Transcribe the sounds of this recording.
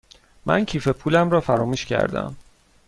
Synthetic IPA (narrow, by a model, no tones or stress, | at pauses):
mæ̰ncʰiːfe̞pʰuːlæmɾɒːfæɾɒːmuːʃcʰæ̰ɾd̪æ̰m